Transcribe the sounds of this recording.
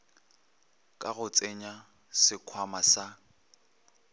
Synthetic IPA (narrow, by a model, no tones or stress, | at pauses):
kʼaɣʊt͡sʼeɲa | sɪkʰwamasa